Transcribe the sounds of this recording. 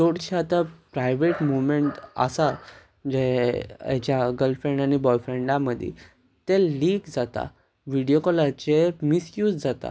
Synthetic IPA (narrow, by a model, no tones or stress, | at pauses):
doɽt͡ɕiat̪apɾajʋeʈmuʋmeɳʈə̰sa | d͡ʑeat͡ɕjaɡəlfɾẽɳɖañibɔjfɾeɳɖãməd̪ʱːḭ | t̪eliːkd͡zat̪a̰ | ʋiɽijokɔlat͡ɕemisjuːd͡zd͡zat̪a̰